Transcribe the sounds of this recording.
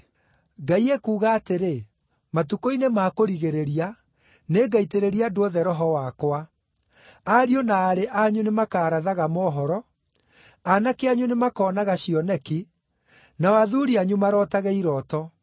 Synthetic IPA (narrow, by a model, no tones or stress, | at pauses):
ɡaiekuːɣaːteɾe | matukoinemaːkoɾiɣeɾeɾia | neːɡaiteɾeɾiadooðɛɾɔɦɔwakowa | aɾionaːɾeʔaɲunemakaːɾaðaɣamɔɦɔɾɔ | anakeaɲunemakɔːnaɣaɕiɔnɛki | nawaðuːɾiaɲumaɾɔːtaɣɛiɾɔːtɔ